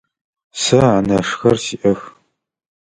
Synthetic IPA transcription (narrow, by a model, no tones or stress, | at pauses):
sɐanɐʂxɐrsiːʔɐx